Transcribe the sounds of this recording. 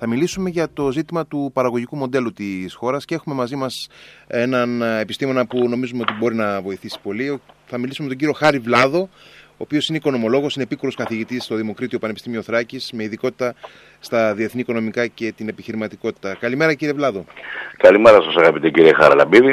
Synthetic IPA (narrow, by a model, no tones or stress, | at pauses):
θɐmilisume̞ʝɐt̪o̞zit̪imɐt̪upɐɾɐɣo̞ʝikumo̞nd̪e̞lut̪isxo̞ɾɐscee̞xume̞mɐzimɐse̞nɐne̞pist̪imo̞nɐpuno̞mizumeo̞t̪ibo̞ɾinɐvo̞iθisi̥po̞lioθɐmilisumemet̪ɟiɾio̞xɐɾivlɐðo̞oːpio̞sineiko̞no̞mo̞lo̞ɣo̞sinepikuɾo̞skɐθiʝit̪ist̪o̞ðimo̞kɾit̪io̞pɐnepist̪imio̞θɾɐcisme̞iðiko̞t̪i̥t̪ɐ | st̪ɐðie̞θniːko̞no̞mikɐce̞t̪ine̞piçiɾimɐt̪iko̞t̪i̥t̪ɐkɐlime̞ɾɐciɾievlɐðo̞kɐlimeɾɐsɐsɐɣɐpit̪eciɾiexɐ̰ɾɐ̰lɐ̰biði